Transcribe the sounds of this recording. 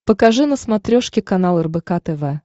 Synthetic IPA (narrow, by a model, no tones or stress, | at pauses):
pəkaʐɨnəsmɐt̪ɾʲoʂkʲɪkanalˠɛrbɛkat̪ɛvɛ